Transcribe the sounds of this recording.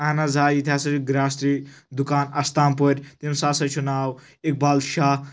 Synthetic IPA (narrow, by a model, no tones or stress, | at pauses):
aːnazaːjit̪ʰjaːsɐɾiɡɾaːst̪ɾiː | d̪ukaːnɐst̪aːnpoɾʲt̪imsaːsɐt͡ʃʰunaːw | ek̚baːlʃaː